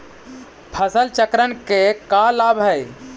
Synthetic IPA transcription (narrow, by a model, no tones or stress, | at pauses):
pʰəsəlt͡ʃəkɾənkekalabʱɦəj